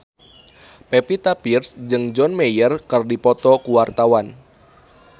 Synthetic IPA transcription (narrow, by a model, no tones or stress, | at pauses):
pɛpit̪apirsd͡ʒɨŋd͡ʒɔnmɛjərkɨrdipɔt̪ɔkuwart̪awan